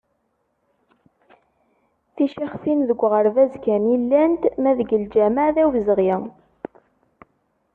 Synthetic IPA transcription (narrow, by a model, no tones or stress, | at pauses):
θiʃiχfinðəɡʷːʁəɾvæzkænilːænt̪mæðəɡəld͡ʒæməʕðæwzəʁjə